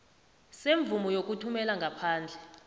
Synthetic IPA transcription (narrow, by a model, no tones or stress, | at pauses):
seɱb̪vumɔjok̬ʼutʰumɛlaŋɡʱapʰaːnd͡ɮʱɛ